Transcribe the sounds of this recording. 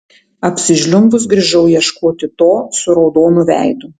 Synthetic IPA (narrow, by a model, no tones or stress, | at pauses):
ɐpʲsʲɪʒʲlʲʊmbʊs̬ɡɾʲɪʒʲɛʊjɛʃkoːt̪ʲɪt̪oːsʊɾɒʊd̪oːnʊʋʲæ̰ˑɪd̪ʊ